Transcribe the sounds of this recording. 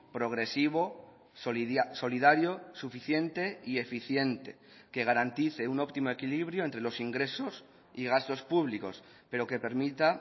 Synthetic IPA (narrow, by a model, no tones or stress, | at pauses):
pɾo̞ɣ̞ɾe̞siβ̞o | soiso̞lið̞aɾjo̞sufiθje̞nt̪e̞ie̞fiθje̞nt̪e̞̥ | ke̞ɣ̞aɾant̪iθe̞uno̞pt̪imoe̞kiliβɾjoent̪ɾe̞lo̞siŋɡɾe̞so̞s | iɣ̞ast̪o̞spuβliko̞̰s | pe̞ɾo̞ke̞pe̞ɾmit̪a